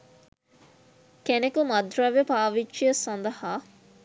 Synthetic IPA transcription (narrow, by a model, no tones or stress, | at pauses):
kænekumɐd̪rɐʋepaːʋiʃijɐsɐnd̪ɐhaː